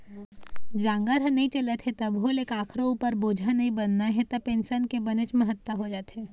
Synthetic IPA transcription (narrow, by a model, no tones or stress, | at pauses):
d͡ʒãːŋɡəɾɦə̃nɐɦĩt͡ʃɐlet̪ʰet̪ɐbɦoleːkaːkʰɾouːpəɾboːd͡ʒʱanɐɦĩbɐnːaɦɛt̪ɐpẽːnsənkebɐnət͡ʃmẽɦɐt̪ːwəɦod͡ʒaːt̪ɦɛː